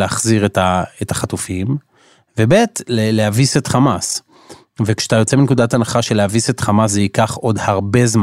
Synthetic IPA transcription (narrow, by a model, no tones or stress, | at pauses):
eaχziʁetaetaχatufim | vebetlelehavisetχamas | vekʃe̥atajo̞t͡seinekudatanaχaʃe̞lehavise̞t̪χamas̬zeikaχo̞dhaʁbe̞zm